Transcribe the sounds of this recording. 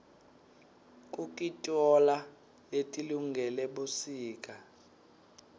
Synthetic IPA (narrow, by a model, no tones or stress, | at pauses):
kʼukʼitʼɔla | letʼiluŋɡʱɛlɛɓusiːkʼa